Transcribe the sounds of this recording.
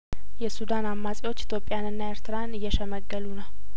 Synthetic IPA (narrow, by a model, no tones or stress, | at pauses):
jɛsud̪anamːasʼewo̞t͡ʃːi̥t̪ʰjo̞pʼːɪjanɨnːaeɾt̪ʰɨɾanɨjːɛʃəməɡːəlunəw